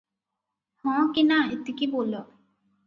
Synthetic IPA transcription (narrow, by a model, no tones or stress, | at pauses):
hɔ̃kinaet̪ikibolo